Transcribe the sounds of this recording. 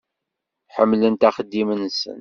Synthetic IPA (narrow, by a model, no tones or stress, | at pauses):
ħəmːlənt̪æχəd̪ːimənsə̰n